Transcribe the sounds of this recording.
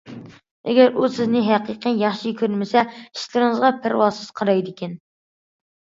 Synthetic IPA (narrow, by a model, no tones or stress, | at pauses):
ɛ̰ɡʲɛɾusɪznɪɦæqiqəjjɑχʃikʲʰøɾmɪsɛiʃlɨɾɨŋəzʁɑpʰæɾwɑlˠsɨz̥qʰɑɾɑjd̪ɪkʲɛn